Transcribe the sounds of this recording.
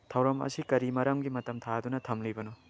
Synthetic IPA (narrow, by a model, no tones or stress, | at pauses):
tʰɐwɾɐmɐ̰sikɐɾimɐɾɐmɡimɐtɐmt̪ʰadunɐt̪ʰɐmlibɐnu